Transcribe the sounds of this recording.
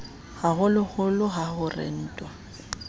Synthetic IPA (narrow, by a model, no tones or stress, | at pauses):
haɣʊlʊhʊlʊɦahʊrɪ̰n̩ːtʼwa